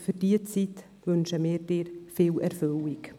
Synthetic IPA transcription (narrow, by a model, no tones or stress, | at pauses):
fyrd̥iːət͡sit | vʏnʃəmɪːɾdeːɾfeːlɛɾfølɪk